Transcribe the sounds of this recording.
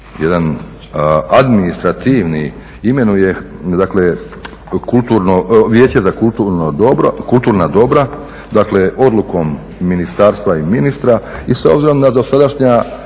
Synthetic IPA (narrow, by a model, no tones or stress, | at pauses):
jed̪an | ad̪minist̪ɾat̪iʋni | ime̞nuje̞d̪akle̞ | kult̪uɾnoʋje̞ːt͡ɕe̞zakult̪uɾnodobɾkulˠt̪uːɾnad̪o̞bɾa | d̪akle̞ʔo̞d̪lˠuko̞mː | inist̪aːɾst̪ʋaiminist̪ɾaisaobziɾo̞md̪ad̪o̞sad̪aʃɲa